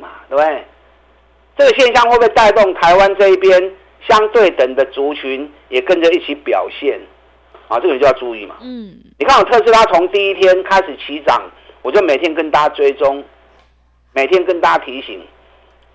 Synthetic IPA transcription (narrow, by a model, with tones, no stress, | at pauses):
a˩t̪we˥˧˩be˥˨˩ɪ | t͡sɤ˥˩ɡə˩ɕ̬jɛ˥˧nɕjɑ˥˧ŋwpe˥˧t̪a˥˧ɪt̪ʊ˥˨ŋt̪ʰa˧˦ɪwa˦nt͡sɤ˥˧i˥˩pjɛ˦n | ɕjɑ˦ŋt̪we˥˩ɪt̪ə˨˩ŋd̪ə˦t͡su˨˥t͡ɕʰy˧˦n | jɛ˨˩kə˦nʈ͡ʂə˨i˥˩t͡ɕʰi˨˦pjɑ̰˨˩ʊɕjɛ˥˨n˨ | t͡ɕə˨jo˧ja˥˧t͡su˥˧i˥˨˩mɐ̰˨˩ | ni˨kʰa˥n˩˨˩t̪ʰɤ˥˧ʂ̬̩ʰ˥˧t̪ʰa˥t͡sʰo˧˦ŋt̪i˥˧i˥t̪ʰjɛ˥nkʰa˥ɪʂɻ̩˨˩t͡ɕʰi˨˦t͡sɑ˨˩˦ŋ | wɔ˨˩t͡ɕjo˥˩ʊme˨˩t̪ʰjɛ˦nkə˥nt̪a˥t͡swe˥ɪt͡sʊ˦ŋ | me˨˩ɪt̪ʰjɛ˦˥nkə˥˧nt̪a˦˥t̪ʰi˧˦ɕḭ˨˩˦ŋ